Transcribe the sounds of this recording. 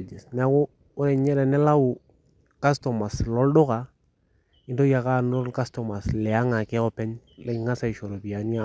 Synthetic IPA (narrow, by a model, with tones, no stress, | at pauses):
d͡ʒi˨sn˦a˦kʊ˦ | ʊ˦ɾe˨ɲɛ˦ɾɛ˨nɛ˦la˦wu˨ | ka˦stɔ˨ma˨slɔ˦ldʊ˦ka˨ | ɪ˦ndo˦ja˨ka˦˨n˦o˦lka˦stɔ˨ma˨slɛ˨a˦ŋa˨kɛ˦ɔ˦pɛ˦ɲlɛ˦ɪ˦ŋa˦sa˨i˨ʃo˨ɾo˨bi˨a˨ni˦a˦